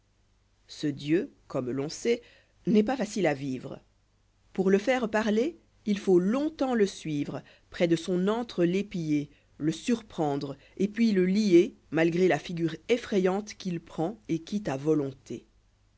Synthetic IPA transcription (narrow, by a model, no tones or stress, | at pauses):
səd̪jøkɔmlɔ̃sɛ | nɛpafasilaviːvʁə | puʁləfɛʁpaʁle | ilfolɔ̃t̪ɑ̃ləsɥiːvʁə | pχɛd̪əsɔ̃nɑ̃t̪χəlepije | ləsyʁpχɑ̃d̪ʁ | epɥiləlie | malɡʁelafiɡʲyːʁefχɛjɑ̃t̪kʲilpχɑ̃ekʲit̪avɔlɔ̃t̪ḛ